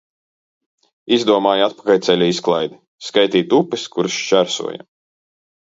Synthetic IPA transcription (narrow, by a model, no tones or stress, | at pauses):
izd̪uɔmaːjat̪̚pḁkalʲt̪sɛlʲuisklˠajd̪i | skajt̪iːt̪upiskuɾst͡ʃæɾsṵɔja̰